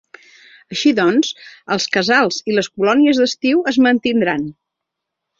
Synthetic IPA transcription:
əʃiðɔnzəlˠskəzalˠziləskulɔniəzðəst̪iwəzmənt̪ind̪ɾan

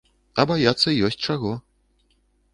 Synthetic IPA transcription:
ɐbajat̪sːɐijɔsʲt̚ʲt͡ʂaɣɔ

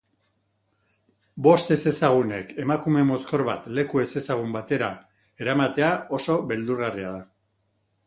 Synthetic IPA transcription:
bo̞st̪e̞se̞saɣ̞une̞ke̞makume̞mo̞sko̞ɾβa̰t̪le̞kue̞se̞saɣ̞umbat̪e̞ɾae̞ɾamat̪e̞ao̞so̞βe̞ld̪uɾɣariaða

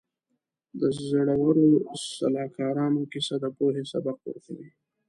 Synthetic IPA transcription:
d̪əzaɽawəɾosa̰lɑkɑɾɑnokisad̪əpoɦesa̰baq̚wə̰ɾkawi

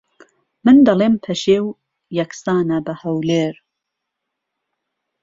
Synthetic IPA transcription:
mɨnd̪ɐleːmpʰɐʃeːw | jɐksaːnɐbɐhɐwleːɾ

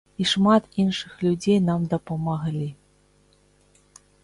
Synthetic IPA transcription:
iʂmat̪inʂɨxlʲud͡zʲejnamd̪ɐpɐmaɣlʲi

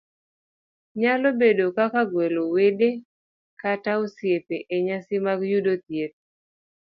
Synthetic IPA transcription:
ɲalobedokakaɡwelowede | kataosjepeʔeɲasimaɡjudot̪jet̚

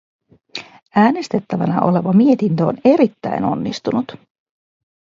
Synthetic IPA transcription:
æːne̞st̪e̞t̪ːæʋæ̰nɑ̰ʔo̞̰le̞ʋɑmie̞t̪int̪øone̞ɾit̪ːæ̰jno̞̰nːist̪unut̪

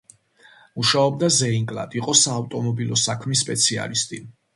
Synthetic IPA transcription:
muʃaɔb̚d̪azɛiŋkʼlˠa̰d̪iqʼɔsaːvt̪ʼɔmɔbilˠɔsakʰmisːpʼɛt̪sʰia̰list̪ʼi

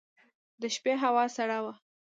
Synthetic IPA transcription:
d̪əʃpeɦawɑsaɽawa

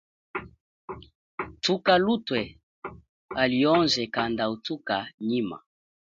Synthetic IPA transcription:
tukalutwɛ | aliɔnzɛkandautukaɲima̰

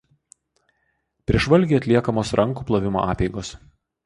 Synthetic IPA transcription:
pʲɾʲiɛʒʋɐlʲɡʲiːɐt̪ʲlʲiɛkɐmoːsɾʔɐŋˑkuːplˠɐʋʲɪmo̰ʔɑ̰ːpʲɛɪɡoːs

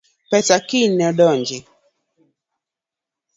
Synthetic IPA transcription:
pɛtakinɛɗɔɲd͡ʒi

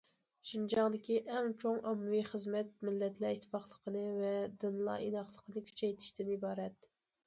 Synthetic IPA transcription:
ʃind͡ʒɑŋd̪ɪkʲiʔɛŋt͡ʃʰoŋɑmːɨvijχəzmɛt̪̚mɪlːɛt̪læit̪ʰːɪ̥pɑχlˠəqʰənɨvɛd̪ɨnlˠɑ̰ʔinɑχlˠəqʰənɨkʲʰy̥t͡ʃʰɛjt̪ʰɪ̥ʃt̪ɪnibɑːɾɛt̪

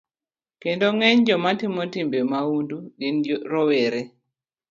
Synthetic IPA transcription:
kendoŋɛɲd͡ʒɔmatimɔtimbemawunduɡind͡ʒɾɔweɾe

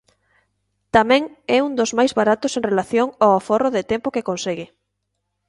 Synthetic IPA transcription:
t̪amɛ̃ŋɛund̪ozmajzβaɾat̪osẽŋrelaθjoŋawaforoðɪt̪ɛmpokekonseɣɪ

